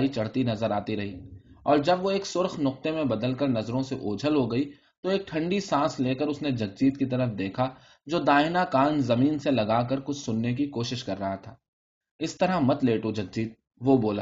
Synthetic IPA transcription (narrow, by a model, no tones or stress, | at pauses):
it͡ʃɐɽ̤t̪inɐzəɾaːt̪iɾɐɦiːɔːɾd͡ʒɐbʋoeːksʊɾxnʊq̚t̪emẽbɐd̪əlkəɾnɐzɾõseʔoːd͡ʒʱəlɦoɡɐi | t̪oeːk̚ʈʰɐ̃ɳɖisãːsleːkəɾʊsned͡ʒɐk̚d͡ʒiːt̪kit̪ɐɾəfd̪eːkʰa | d͡ʒoːd̪aːɪnakaːnzɐmiːnselɐɡaːk̬ɐɾkʊt͡ʃʰsʊnːek̬ikoːʃɪʃkɐɾːɐɦat̪ʰaː | ɪst̪ɐɾaɦmɐt̪leːʈod͡ʒɐk̚d͡ʒiːt̪̚ | ʋoboːlaː